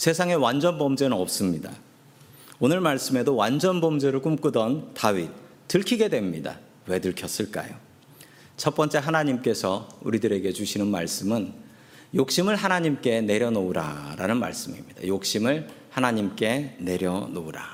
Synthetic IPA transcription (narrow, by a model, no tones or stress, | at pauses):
sʰe̞sʰaŋe̞wand͡ʑʌnbʌmd͡ʑenɯnʌp̚s͈ɯmɲida̰ | onɯɭmaɭs͈ɯme̞dowand͡ʑʌnbʌmd͡ʑe̞ɾɯɭk͈umk͈udʌntaɥi | tɯɭkʰiɡe̞dwe̞mɲida̰ | we̞dɯɭkʰjʌs͈ɯɭk͈a̰jo | t͡ɕʰʌt̚p͈ʌnt͡ɕ͈e̞ɦanaɲimk͈e̞sʰʌṵɾidɯɾe̞ɡe̞d͡ʑuɕʰinɯnma̰ɭs͈ɯmɯn | jok̚ɕ͈imɯɭɦanaɲimk͈e̞ne̞ɾjʌnouɾa̰ɾa̰nɯnma̰ɭs͈ɯmimɲid̥a̰jok̚ɕ͈imɯɭhanaɲimk͈e̞ne̞ɾjʌnouɾa